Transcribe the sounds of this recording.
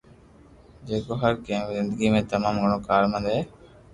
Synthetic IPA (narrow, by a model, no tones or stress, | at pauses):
d͡ʒeːkoːɦəɾkẽːzɪnd̪əɡiːmẽːt̪əmaːmɡʱəɳ̃õːkaːɾmə̃nd̪ɦeː